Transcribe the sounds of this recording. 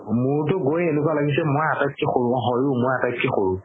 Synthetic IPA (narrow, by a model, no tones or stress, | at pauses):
mʊɹtʊɡojenʊk̬walaɡisɛmojatajkʰːixoɹũɔɦɔjʊmojatajkʰːixoɹũ